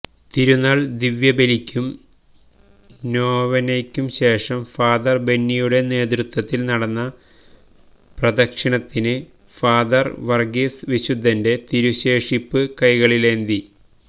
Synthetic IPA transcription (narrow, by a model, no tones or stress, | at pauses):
t̪iɾunɐɭd̪iʋjɐbelikʲːum | noːʋɐnekʲːumɕe̞ːʂɐmfaːd̪ɐrbe̞nːijuɽe̞ne̞ːd̪rɨt̪wɐt̪ːilnɐɽɐnːɐ | prɐd̪ɐkʂiɳɐt̪ːinɨ | faːd̪ɐrʋɐrɡisʋiɕud̪ʱːɐnde̞t̪iɾuɕe̞ːʂipːɨkɐjɣɐɭile̞nd̪i